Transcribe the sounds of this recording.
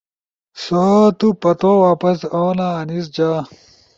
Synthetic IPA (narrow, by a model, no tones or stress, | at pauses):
sot̪upɐt̪owaːpɐsoːnaːnis̬d͡ʑaː